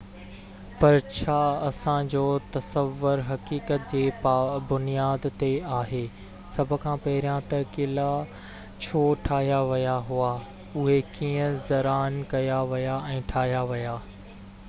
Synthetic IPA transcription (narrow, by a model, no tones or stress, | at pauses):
pɐɾt͡ɕʰaːɐsãd͡ʑoːt̪ɐsəʋːʊɾɦɐkiːkət̪̚d͡ʑeːbʊnijaːd̪t̪eaːɦeː | sɐbʱʊ̆kʰãːpɐɦɪɾijãt̪ɐɾkila | t͡ɕʰoːʈʰaːɦijaʋɐjaɦua | ʊɦekiːə̃zɐɾaːnkɐjaʋɐjaɛ̃ːʈʰaːɦijaʋɐjaː